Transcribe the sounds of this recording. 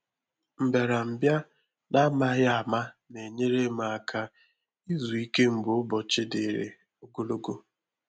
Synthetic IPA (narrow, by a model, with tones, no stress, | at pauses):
m̩˨be˨ɾa˨m̩˨bja˦ | na˦ma˦ɣɪ˦a˨ma˦ne˨ɲe˦ɾe˦ma˨a˨kʰa˦ | i˦zu˨i˦ke˦m̩˨bʊ˨ʊ˦bɔ˨t͡ʃɪ˦de˨ɾḛ˨ | o˦ɡo˦lo˦ɡo˦